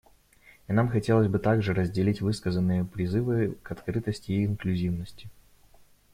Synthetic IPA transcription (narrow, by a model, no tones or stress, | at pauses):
inamxɐtʲelˠəzʲbɨt̪aɡʐɨɾəzʲdʲɪlʲitʲvɨskəzənːɨjəpɾʲɪzɨvɨkɐt̪kɾɨt̪əsʲtʲɪːnklʲʉzʲivnəsʲtʲɪ